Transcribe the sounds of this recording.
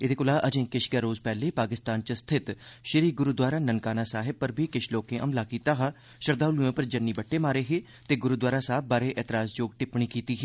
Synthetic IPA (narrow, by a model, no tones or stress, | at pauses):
ɪt̪d̪eːkʊlaːʔəd͡ʒẽːkɪʃɡəɾoːzpɛːleːpaːkɪst̪aːnt͡ʃəst̪ʰɪt̪ʃəɾiːɡʊɾuːd̪waːɾaːnənkaːnaːsaːɦɪb̚pəɾbʱiːkɪʃʰloːkẽːʔəmlaːkiːt̪aːɦaː | ʃəɾd̪aːʊluẽːpəɾd͡ʒənːiːbəʈːeːmaːɾeːɦeː | t̪eːɡʊɾuːd̪waːɾaːsaːb̚baːɾeːʔɛːt̪ɪɾaːsd͡ʒoːɡ̚ʈɪpɳiːkiːt̪iːɦeː